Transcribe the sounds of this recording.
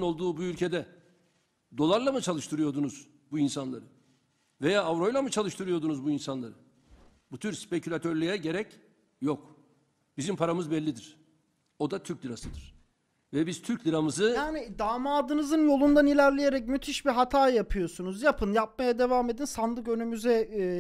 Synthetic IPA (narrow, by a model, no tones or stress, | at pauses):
no̞lˠd̪uːbuylʲcʰe̞d̪ɛ | d̪o̞lˠaɾlˠamɯt͡ʃʰalˠɯʃt̪ʰɯɾɯjo̞d̪unuz | buinsanlˠaɾɯ | ve̞jaːavɾo̞jlˠamɯt͡ʃʰalˠɯʃt̪ʰɯɾɯjo̞d̪unuzbuinsanlˠaɾɯ | but̪ʰyɾspecʰylʲat̪ʰøɾlʲyjɛɟe̞ɾɛc | jok | b̥izimpʰaɾamɯzbɛlʲːid̪iɾ̥ | o̞d̪at̪ʰyɾclʲiɾasɯd̪ɯɾ̥ | vɛbiz̥t̪ʰyɾcʲlʲiɾamɯzɯjaːnid̪aːmaːd̪ɯnɯzɯnjo̞lˠund̪anilʲæɾlʲejeɾɛcmyt̪ʰiʃbiɦat̪ʰaːjapʰɯjo̞sunuzjapʰɯnjap̚majad̪e̞vaːme̞d̪insand̪ˠɯkø̞nymyzɛ